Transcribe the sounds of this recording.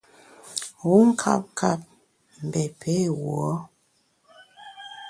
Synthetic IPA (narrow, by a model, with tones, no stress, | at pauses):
wu˨˦ŋ̩˦kʰa̰˦p̚kʰa˦˨p̚ | m̩˨bɛ˨pʰe˦˨wu˨ɔ˦